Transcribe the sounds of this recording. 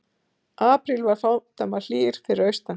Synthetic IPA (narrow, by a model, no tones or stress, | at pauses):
aːpɾilvaɾ̥fawt̪ʰamal̥iːɾ̥t̪ʰɪɾœɥst̪a